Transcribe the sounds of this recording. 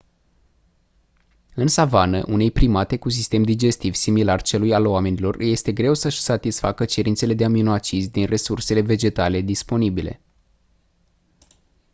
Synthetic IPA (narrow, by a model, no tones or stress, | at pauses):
ɨnsavanəʔune̞jpɾimat̪e̞kus̬ist̪e̞md̪id͡ʒe̞st̪ivsimilart͡ʃe̞lujaloame̞nilo̞rje̞st̪e̞ɡɾe̞wsəʃsat̪isfakət͡ʃe̞ɾint̪se̞le̞d̪e̞aminoat͡ʃizʲd̪inre̞surse̞le̞ve̞d͡ʒe̞t̪ale̞d̪ispo̞nibile̞̰